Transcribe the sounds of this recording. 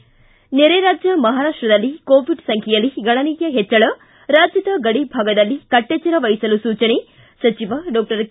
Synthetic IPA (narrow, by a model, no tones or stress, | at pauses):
neɾeːɾaːd͡ʒjɐmɐɦaːɾaːʂʈɾɐd̪ɐlːikoːʋiɖsɐŋkʰjɛjɐlːiɡɐɳɐnijjɐɦɛt͡ʃːɐɭɐ | ɾaːd͡ʒjɐd̪ɐɡɐɽibʱaːɡɐd̪ɐlːikɐʈːeːt͡ʃːɐɾɐʋɐjsɐlusuːt͡ʃɐne | sɐt͡ʃiʋɐɖɔːk̚ʈɐɾ